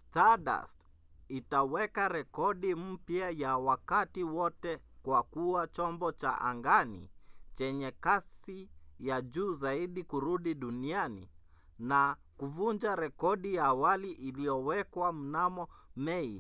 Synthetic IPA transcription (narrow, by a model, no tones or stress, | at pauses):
staɗa̰s | itawɛkaɾɛkɔɗim̩pjajawakatiwɔtɛ | kwakuat͡ʃɔmbɔt͡ʃa̰ʔa̰ŋɡanḭt͡ʃɛɲɛkasijaʄuːzaiɗikuɾuɗiɗunianḭ | na | kuvund͡ʒaɾɛkɔɗijaːwaliʔilijɔwɛkwam̩namɔmɛi